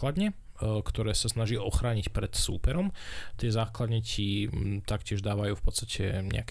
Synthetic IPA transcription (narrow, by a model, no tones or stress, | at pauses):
lad̪ɲɛ | kt̪ɔɾɛːsasnaʒiʔɔxɾaːɲicpɾɛt̪sṵːpɛɾɔmt̪ɪɛzaːklad̪ɲɛcit̪akcɪɛʒd̪aːʋajuːfpɔt̪st̪acʰɛ̰ɲɛ̰ak